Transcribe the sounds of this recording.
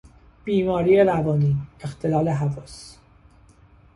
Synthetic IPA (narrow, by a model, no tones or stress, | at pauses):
b̥iːmɒːɾijeɾævɒːniːext̪ʰelɒːleɦævɒːs